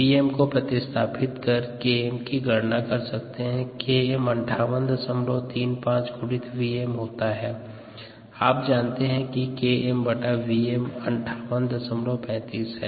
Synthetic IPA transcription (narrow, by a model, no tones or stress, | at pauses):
iːɛmkopɾɐt̪ɪst̪ʰaːpʰɪt̪kɐɾkeːɛmkiɡʱɐɾnakɐɾsɐk̚t̪eɦɛ̃keːɛmɐ̃ɳʈʰaːʋənd̪ɐsəmlot̪iːnpãːt͡ʃɡʊɽɪt̪ʰʋiːemɦoːt̪aɦɛː | aːp̚d͡ʒaːnt̪eɦɛ̃kikeːɛmbɐʈaʋiːemɐ̃ɳʈʰaːʋənd̪ɐsəmlopɛ̃ːt̪iːsɦɛ̰ː